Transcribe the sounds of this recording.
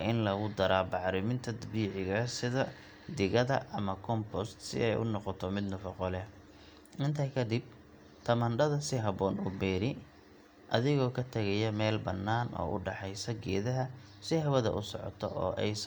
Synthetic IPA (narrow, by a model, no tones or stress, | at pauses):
ʔɪnlɐɣʊd̪ɐɾaːbɑʕɾɪmɪnt̪ʰɐd̪biːʕɪɣɐsɪðɐ | d̪ɪɣɐðɐʔɐmɐkʰɔmpʰɔst̪sɪ̰ʔɛjʊ̰nɔqɔt̪ʰɔmɪd̪nɐfɐqɔlɛ | ʔɪnt̪ʰɐkʰɐd̪ɪb̚ | t̪ʰɐmɐɳɖɐðɐsɪɦɐβɔːnʊbɛːɾɪ | ʔɐðɪɣɔːkʰɐt̪ʰɐɣɐjɐmɛːlbɐnːaːnʔɔ̰ːʔʊ̰ɖɑħɛjsɐɡɛ̰ːðɐɦɐ | sɪhɐβɐðɐ̰ʔʊsɔ̰ʕɔ̰t̪ʰɔ̰ʔɔ̰ːʔɛjs